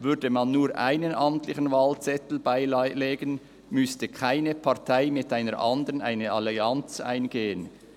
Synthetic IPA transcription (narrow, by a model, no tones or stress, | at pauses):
vʏɐdəmɑnːuːɐʔa̰ɪnənʔɑmtlɪçən̩vaːlt͡sɛtl̩baɪleːɡən | mʏstəkʰaɪnəpʰɑʁtʰaɪmɪtaɪnəɾʔɑndəʁənʔaɪnəɑliɑnt͡sa̰ɪnɡeːən